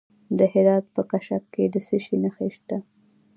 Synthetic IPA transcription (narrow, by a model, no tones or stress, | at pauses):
d̪əhɪɾɑt̪̚pəkaʃakked̪əsəʃinaxeʃt̪a